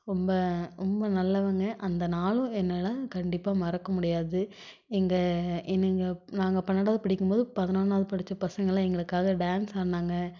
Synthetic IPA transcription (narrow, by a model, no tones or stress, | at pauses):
ɾɔmbɐɾɔmbɐnɐlːɐʋɐŋɡɐʔɐnd̪ɐnaːlʊ̃ɛnːɐlɐkɐɳɖɪpːaːmɐɾɐkːɐmʊɽɪjaːðɯ | ɛŋɡɐʔɛnːɐŋɡɐnaːŋɡɐpɐɳːɐɽaːðɯpɐɽɪkːɯmpoːðɯpɐðɐnaːnaːðɯpɐɽɯt͡ʃːɐpɐsɐŋɡɐɭɛŋɡɐɭɯkːaːɣɐɖaːnsaːɾnːaːŋɡɐ